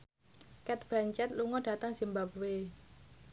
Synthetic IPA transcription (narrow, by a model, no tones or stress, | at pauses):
kɛt̪̚b̥a̤ɲt͡ʃɛt̪̚luŋɔɖ̥ä̤t̪əŋz̥imbapwe